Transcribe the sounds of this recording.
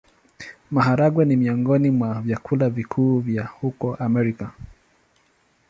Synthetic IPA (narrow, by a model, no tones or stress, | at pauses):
maɦaɾaɡwɛnimiɔŋɡɔnimwavjakʰulavikʰuːvjahukɔʔamɛɾika